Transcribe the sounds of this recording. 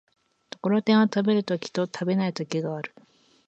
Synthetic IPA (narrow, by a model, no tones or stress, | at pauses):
t̪o̞̥ko̞ɾo̞t̪ẽɰ̃βat̪abe̞ɾɯ̟t̪okʲi̥t̪o̞t̪ʰabe̞nait̪o̞kʲiɡaaɾɯ̟